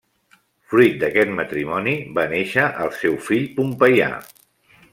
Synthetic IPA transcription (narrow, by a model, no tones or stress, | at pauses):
fɾujt̪̚d̪əkɛt̪mət̪ɾimɔniβaneʃəʔəlˠsɛwfiʎpumpəja̰